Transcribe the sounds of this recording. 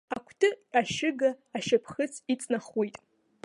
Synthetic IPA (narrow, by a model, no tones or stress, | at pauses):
akʷʰtʰɨaʃɪɡaːʃapʰχɨt͡sʰit͡sʼnaχwejtʼ